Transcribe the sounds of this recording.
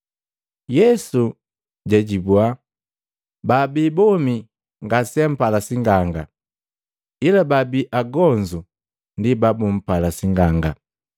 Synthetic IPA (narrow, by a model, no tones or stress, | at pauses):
jɛsu | ɟɛɟibwa | babibɔmi | ŋɡasiɛm̩palasiŋɡaŋɡa | ilababiʔaɡɔnd͡ʒu | ndibabum̩palasiŋɡaŋɡa